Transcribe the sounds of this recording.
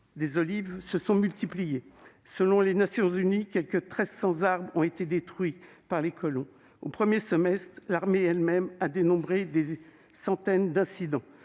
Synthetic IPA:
d̪ezɔlivsəsɔ̃mylt̪iplije | səlɔ̃lenasjɔ̃zynikʲɛlkət̪χɛzsɑ̃zaʁbʁɔ̃et̪ed̪et̪χɥi | paʁlekɔlɔ̃ | opχəmjesɔmɛst̪χlaʁmeɛlmɛmad̪enɔ̃bʁed̪e | sɑ̃t̪ɛnd̪ɛ̃sid̪ɑ̃

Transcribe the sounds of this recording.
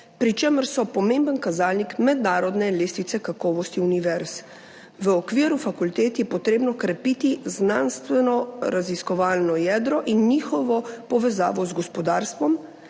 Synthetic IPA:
pɾit͡ʃeməɾsɔpɔmẽmbənkazaːlnikmɛd̪naːɾɔd̪nɛleːst̪it̪sɛkakɔːʋɔst̪iuniʋɛɾs | ʋəɔːkʋiːɾufakult̪eːt̪jɛpɔt̪ɾeːbnɔkɾɛpiːt̪iznanst̪ʋɛnɔɾaziskɔʋaːlnɔjɛːd̪ɾɔʔinːiːxɔʋɔpɔʋɛza̰ːʋɔzɡɔspɔd̪aːɾst̪ʋɔm

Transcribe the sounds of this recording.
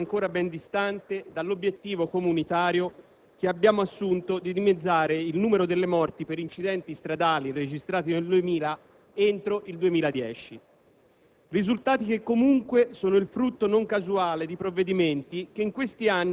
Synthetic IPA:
ŋkoːɾabɛnd̪ist̪ant̪ed̪alːobjet̪ːiːvokomunit̪aːɾjo | k̟eabːjaːmoasːunt̪od̪id̪imed̪zːaːɾeilnuːmeɾod̪elːemɔrt̪ipeɾint͡ʃid̪ɛnt̪ist̪ɾad̪aːlired͡ʒist̪ɾaːt̪ineld̪uemiːla | ent̪ɾoʔild̪uemiːlad̪jɛːt͡ʃi | rizult̪aːt̪ik̟ekːomuŋkwesoːnoilfɾut̪ːonoŋkazuaːled̪ipɾovːed̪iment̪ik̟eiŋkwest̪ianː

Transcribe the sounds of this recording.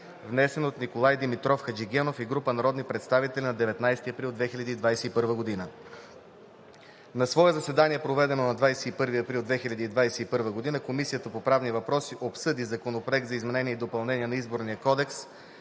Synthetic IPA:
vnɛsɛnot̪nikolˠajd̪imit̪ɾɔfxɐd͡ʒiɡʲɛnofiɡɾupənɐɾɔd̪nipɾɛt̪st̪avit̪ɛlʲinɐd̪ɛvɛt̪najst̪iɐpɾilˠd̪vɛxilʲɐd̪iːd̪vajsɛipɤɾvəɡod̪inə | nɐsvɔɛzɐsɛd̪aniɛpɾovɛd̪ɛnonɐd̪vajsɛipɤɾviɐpɾilˠd̪vɛxilʲɐd̪iːd̪vajsɛipɤɾvəɡod̪inəkomisijət̪əpopɾavnivɐpɾɔsiʔopsɤd̪izɐkonopɾoɛk̚t̪zɐizmɛnɛniəid̪opɐlˠnɛniɛnɐizboɾnijəkɔd̪ɛks

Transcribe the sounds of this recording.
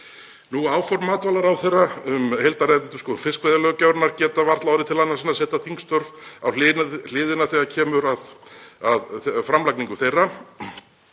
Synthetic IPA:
nuaːwfɔɾmːaːt̪vaːlaɾawθejrːaʏmhejlt̪aɾɛɾɪnt̪ʏskɔːðʏnfɪskvajðalœɣʏcawɾnaɾcɛːt̪avaɾ̥t̪lawɾɪt̪ʰɪlanːasɪnasɛːt̪aθʰiŋkst̪œɾvðawll̥ɪːðɪnaθɛɣacʰɛːmʏɾaðaðfɾamlakniŋkʏθejrːa

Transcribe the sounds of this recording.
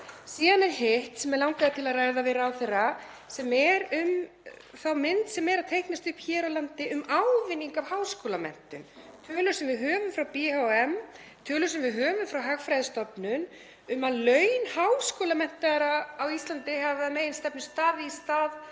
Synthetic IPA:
siːðanɛɾhɪht̪sɛmɛɾlawŋkaðat̪ʰɪlaðraːjðavɪɾawθera | sɛmɛɾʏm | θawmɪnt̪sɛmɛɾaðt̪ʰejhknast̪ʏhpçɛːɾawlant̪ɪʔʏmawvɪnːiŋkawhawskoːlamɛ̰n̥t̪ʏmt̪ʰœːlʏ̥sɛmvɪðɦœːvʏmfɾawpiawɛm | t̪ʰœːlʏ̥sɛmvɪðɦœːvʏmfɾawɦaɣfɾajðɪst̪ɔpnʏn | ʏmalœɥnhawskoːlamɛn̥t̪aðɾaːwist̪lant̪ɪhaavðameːjɪnst̪ɛpnɪst̪aːðɪist̪aːð

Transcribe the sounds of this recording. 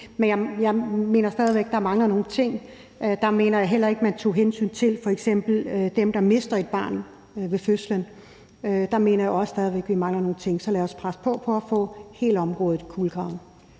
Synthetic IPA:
menjɑ̈jɑ̈ɪme̝̰ːnɐsd̥ɛð̞ˠiʋeɡ̥̚d̥ɑ̈æɐmɑ̈ŋlɐno̝ːn̩t͡sʰe̝ŋ̰ | d̥ɑ̈me̝ːnɐjɑ̈ɦel̰ɐe̝ɡ̥mænt͡sʰo̝̰ːɦensy̰ːnt͡sʰe̝lfɒ̽eɡ̥sem̰b̥l̩d̥emd̥ɑ̈me̝sd̥ɐe̝d̥̚b̥ɑ̰̈ːn | ʋe̝føslən | d̥ɑ̈me̝̰ːnɐjaɒ̽ssd̥ɛð̞ˠiʋeɡ̥ʋimɑ̈ŋlɐno̝ːn̩t͡sʰe̝ŋ̰sɒ̽lɛːɐɒspʰʁaspʰɒ̽pʰɒ̽æfɔ̰̽ːhe̝̰ːləɒ̽mʁɔ̽ːð̞ˠð̩ˠkʰuːlɡ̥ʰʁɑ̈ʊ̰n̩

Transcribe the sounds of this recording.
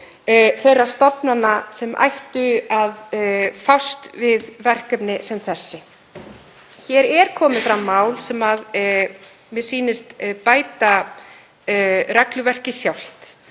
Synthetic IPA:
θejrːast̪ɔpnanːasɛmʔa̰jht̪ʏaðfawst̪vɪðvɛr̥kœpnɪsɛmθɛsːɪ | çɛɾɛɾkʰɔːmɪðfɾamːaːwlsɛmað | mjɛɾ̥siːnɪst̪paːjt̪a | rɛklʏvɛr̥cɪsjawl̥t̪

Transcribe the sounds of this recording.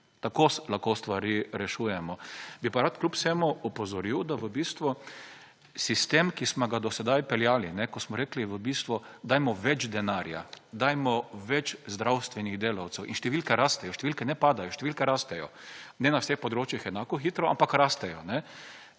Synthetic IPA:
t̪akoslaxkost̪ʋaɾiɾɛʃuːjɛmɔbipaɾat̪klʲupsɛmuɔpɔzɔɾiwd̪aʋəbiːst̪ʋu | sist̪emkismɔɡad̪ɔsɛd̪ajpɛljaːlinɛkɔsmɔɾekliʋəbiːst̪ʋʊd̪aːjmɔʋɛt͡ʃd̪ɛnaːɾja̰d̪aːjmɔʋɛt͡ʃzd̪ɾawst̪ʋɛniɣd̪eːlawt̪sɛwʔinʃt̪ɛʋilkɛɾast̪ɛjɔʃt̪ɛʋilkɛnɛpaːd̪ajɔʃt̪ɛʋilkɛɾaːst̪ɛjɔnɛnawsexpɔd̪ɾoːt͡ʃjixɛnaːkɔxiːt̪ɾɔa̰mpakɾast̪ɛjɔnɛ

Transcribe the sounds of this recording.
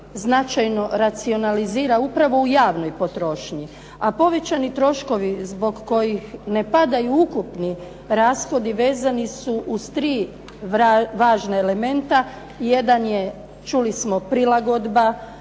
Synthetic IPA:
znat͡ʃajno̞ɾat̪sio̞naliziːɾaupɾaʋo̞ujaːʋno̞jpo̞t̪ɾo̞ːʃɲi | apo̞ʋe̞t͡ɕanit̪ɾo̞ʃko̞ʋizbo̞ɡko̞jixne̞pad̪ajuukupni | ɾaːsxo̞d̪iʋe̞ːzanisuʔuz̥t̪ɾiː | ʋaːʒnaele̞me̞nt̪a | je̞d̪anje̞ | t͡ʃulismo̞pɾilaɡo̞d̪ba

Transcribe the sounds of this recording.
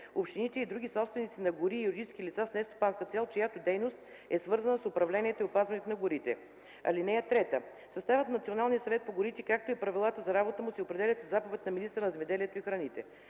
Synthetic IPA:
opʃt̪init̪ɛid̪ɾuɡ̟isɔpst̪vɛnʲit̪sinɐɡʊɾiːjuɾid̪it͡ʃɛskilit̪sasnɛst̪o̥panskət̪sɛlˠt͡ʃojat̪od̪ɛjnost̪̚ | ɛsvɤɾzənəsʊpɾɐvlɛnʲiɛt̪oiopazvɐnit̪onɐɡʊɾit̪ɛ̰ | ɐ̰linɛjət̪ɾɛt̪ə | sɐst̪avʲət̪nɐt̪sionalˠnijəsɐvɛt̪̚poɡʊɾit̪ɛkak̚t̪oipɾɐvilˠat̪əzɐɾabot̪əmusiopɾɛd̪ɛlʲɐt̪zapovɛt̪nɐminist̪ɾənɐzɛmɛd̪ɛliɛt̪oixɾɐnit̪ɛ̰

